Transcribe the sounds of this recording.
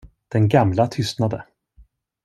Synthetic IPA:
d̪̥ɛnɡamlat̪ʰʏst̪nad̪ə̰

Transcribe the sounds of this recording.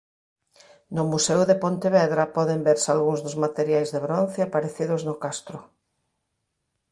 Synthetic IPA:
nʊmusɛwðepont̪eβɛðɾapɔðembeɾsalɣuŋzðʊzmat̪eɾjajzðeβɾonθeapaɾeθiðʊznʊkast̪ɾʊ

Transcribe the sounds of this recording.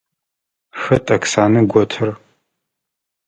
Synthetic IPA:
xɐtʼɐksaːnɨɡʷɔtʰɐr

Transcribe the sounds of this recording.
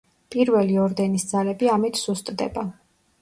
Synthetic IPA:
pʼiɾvɛliɔɾd̪ɛnisd̪zalɛbiamit̪ʰsust̪ʼd̪ɛ̰ba

